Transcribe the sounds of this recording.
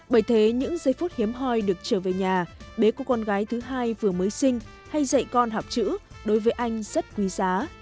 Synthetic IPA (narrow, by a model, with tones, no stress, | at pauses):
ɓəː˧˩jt̪ʰe˨˦ɲɨ̰˧˥ŋzə˧jfu˦˥t̚hi˨˦əmɦɔ˧jɗɨ˨˩ək̚t͡ɕəː˧˩ve˨˩ɲaː˨˩ɓe˨˦kɔ˧˩˦kɔ˧nɣaː˨˦jt̪ʰɨ˨˦ɦaː˧jvɨ˨˩əməː˨˦jsï˧ŋ̟ | ha˧jzə̰˧˨jkɔ˧nɦa˨˩wp̚t͡ɕɨ̰˧˥ɗo˨˦jvəː˨˦jʔa˧jŋ̟z̥ə˦˥t̚kwi˨˦zaː˨˦